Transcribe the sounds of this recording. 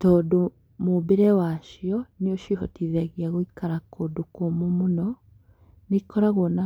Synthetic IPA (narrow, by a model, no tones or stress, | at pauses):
tɔːdo | mobeɾɛwaʃjɔneoʃihɔtiðɛɣjaɣoikaɾakʰodokomomonɔ | nekɔɾaɣona